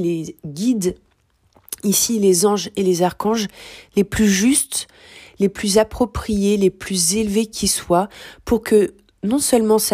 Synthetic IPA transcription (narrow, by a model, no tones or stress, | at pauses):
leɡʲid̪ | isilezɑ̃ʒelezaʁkɑ̃ʒleplyʒyst̪ | leplyzapχɔpχijeleplyzelvekʲʰiswapuʁkʰə | nɔ̃sœlmɑ̃s